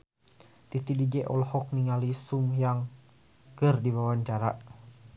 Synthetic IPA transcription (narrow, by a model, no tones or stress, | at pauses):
t̪it̪idid͡ʒɛʔɔlhɔk̚niŋalisumjaŋ | kɨrdiwawaɲt͡ʃaɾa